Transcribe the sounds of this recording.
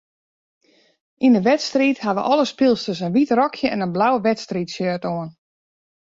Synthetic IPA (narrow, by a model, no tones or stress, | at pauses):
ʔindəʋɛtstrithaʋə̰ʔɔləspɪlˠstəs̬ənʋitrɔkʰjəɛ̰nənblawəʋɛtstritsjøːətoən